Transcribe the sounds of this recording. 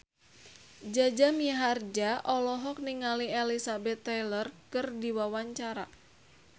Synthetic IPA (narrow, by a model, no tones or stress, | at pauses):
d͡ʒad͡ʒamiɦard͡ʒaʔɔlɔɦɔk̚niŋalielisabɛt̪ːajlərkɨrdiwawaɲt͡ʃaɾa